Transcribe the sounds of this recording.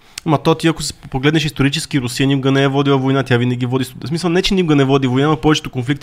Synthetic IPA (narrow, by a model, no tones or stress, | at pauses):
mɐt̪ot̪iɐko̥spoɡlɛd̪nɛʃist̪oɾit͡ʃɛskiɾʊsiənikuɡɐnɛɛvɔd̪ilˠɐvojnat̪ʲjavinɛɡʲivɔd̪issmisəlˠnɛt͡ʃɛnʲikuɡɐnɛvɔd̪ivojnamɐpɔvɛt͡ʃɛ̥t̪okonflikt̪